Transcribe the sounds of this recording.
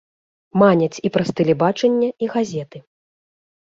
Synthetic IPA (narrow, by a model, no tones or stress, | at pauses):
manʲɐt͡sʲipɾɐst̪ɨlʲibat͡ʂɛnʲːɐiɣazʲɛt̪ɨ